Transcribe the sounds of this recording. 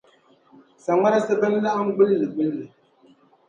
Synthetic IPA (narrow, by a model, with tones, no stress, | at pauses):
sa˨ŋa˦na˦sɨ˦bɨ˦n˦la˦ʔa˦m˦ɡ͡bɨ˦llɨ˨ɡ͡bɨ˦llɨ˨